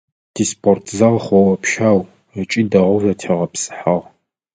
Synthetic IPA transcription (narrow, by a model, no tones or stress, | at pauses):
d̥ʰispʰʼortʰzɐʁχʷɔwɐpʰʃaːw | ət͡ʃʼiːdɐʁʷʊzɐtʰeʁɐpsʼɨ̥ħaʁ